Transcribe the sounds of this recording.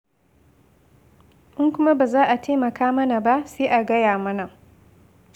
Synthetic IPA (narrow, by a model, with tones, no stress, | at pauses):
ʔɪ˦ŋkʷʊ˦ma˦baː˨zaː˦ʔa˨tʰeː˦mɐ˨kaː˦mɐ˦na˨ba˦seː˦ʔa˨ɡɐ˦jaː˨mɐ˦na˨